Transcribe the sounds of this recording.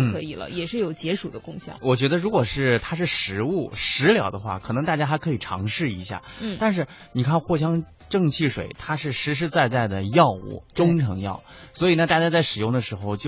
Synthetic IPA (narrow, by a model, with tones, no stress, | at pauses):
n̩˥kʰɤ˧˥i˨˩lə̰˦jɛ˨˩ʂɻ̩˥˩jo˨˩ʊt͡ɕjɛ˧˥ʂu˨˩d̪ə˦kʊ˥˧ŋɕjɑ̰˥˩˦ŋwɔ˨˩t͡ɕɥɛ˧˥d̪ə˧ɻu˧˥kwɔ˨˩ʂɻ̩˥˩t̪ʰa˥ʂɻ̩˥˩ʂɻ̩˧˥u˥˩ʂɻ̩˧˥ljɑ˧˥ʊd̪ə˧xwa̰˥˩kʰɤ˨˩nɤ˧˥ŋt̪a˥˩t͡ɕja˥xkʰɤ˧˥i˨˩ʈ͡ʂʰɑ̰˧˥ŋʂɻ̩˥˩i˧˥ɕja̰˥˩n̩˥˩t̪a˥˧nʂ̬ɻ̩˥˩ | ni˨˩kʰa˥˧nxwɔ˥˩ɕ̬jɑ˥ŋ | ʈ͡ʂɤ˥˧ŋt͡ɕʰi˥˩ʂwḛ˨˩ɪt̪ʰa˥ʂɻ̩˥˩ʂɻ̩˧˥ʂ̬ɻ̩˧˥t͡sa˥˧ɪt͡sa˥˩ɪd̪ə˩jɑ˥˧ʊṵ˥˩ʈ͡ʂʊ˥ŋʈ͡ʂʰɤ˧˥ŋjɑ̰˥˩ʊswɔ˧˥i˨˩na˧t̪a˥˧˩t͡ɕja˥t͡sa˥˩ɪʂɻ̩˨˩jʊ˥˩ŋd̪ə˩ʂɻ̩˧˥xo˧ʊt͡ɕjo˥˧˩